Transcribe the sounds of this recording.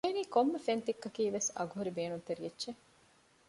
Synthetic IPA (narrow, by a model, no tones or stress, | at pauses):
eːniːkomːefent̪ikːɐkiːʋesɐ̰ɡuɦuɾibeːnunt̪eɾietːʃe